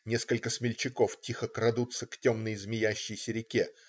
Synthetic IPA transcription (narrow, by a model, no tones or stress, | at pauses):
nʲe̞skəlʲkəsmʲɪlʲt͡ɕɪko̞ftʲixəkɾɐd̪ut̪səktʲomnəjzmʲɪjæɕːɪjsʲəɾʲɪkʲe